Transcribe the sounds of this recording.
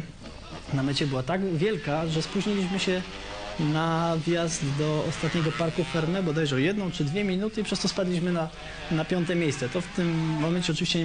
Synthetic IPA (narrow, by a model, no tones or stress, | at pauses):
namɛt͡ɕɛbɘwat̪aɡvʲjɛlkaʐɛspuʑɲilʲiɕmɘɕɛ | navʲjazd̪ːɔɔst̪at̪ɲɛɡɔpaɾkufɛɾmɛbɔd̪ajʐɛwjɛd̪nɔ̃w̃t͡ʂɘd̪vʲjɛmʲinut̪ɘipʂɛst̪ɔspad̪lʲiɕmɘna | napʲjɔnt̪ɛmʲjejssɛt̪ɔft̪ɘmːɔmɛnt͡ɕɛɔt͡ʂɨvʲiɕt͡ɕɛ